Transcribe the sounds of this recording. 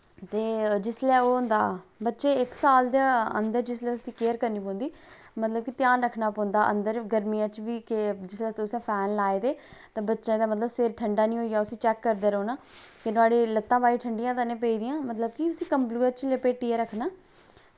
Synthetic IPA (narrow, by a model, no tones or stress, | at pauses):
t̪eːd͡ʒɪslɛːoːʊnd̪a̰ːbətːʃeːɪksaːld̪aːə̰nd̪əɾd͡ʒɪslɛːʊsd̪iːkeːəɾkəɾniːpɔ̃ːnd̪iː | mət̪ləb̚kit̪ɪjaːnɾəkʰːnaːpɔ̃ːnd̪aːʔə̰nd̪əɾɡəɾmijãːt͡ʃʋiːkɪd͡ʒɪslɛːsʊsãːpʰɛːnlaːeːd̪eːt̪ãːbətːʃẽːd̪aːmət̪ləbseːɾʈʰəɳɖaːnĩːɦoːiaːʊsĩːt͡ʃɛːkːəɾd̪eːɾoːnaːkenʊaːɽeːlət̪ːãːbaːiːʈʰəɳɖɪjãːt̪anẽːp̬eːiːd̪ɪjãːmət̪ləb̚kiʊsiːkəmpluːət͡ʃlepeːʈiːəɾəkʰnaː